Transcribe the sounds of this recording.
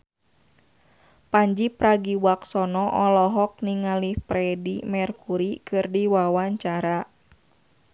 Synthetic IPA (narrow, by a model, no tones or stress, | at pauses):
paɲd͡ʒipɾaɡiwaksɔnɔʔɔlɔɦɔk̚niŋalihpɾɛdimɛrkuɾikɨrdiwawaɲt͡ʃaɾa